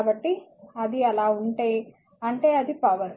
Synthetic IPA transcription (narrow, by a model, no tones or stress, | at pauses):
bɐʈːiɐd̪iɛlaːuɳʈeːj | ɐɳʈe̞ːɐd̪ipɐʋɐn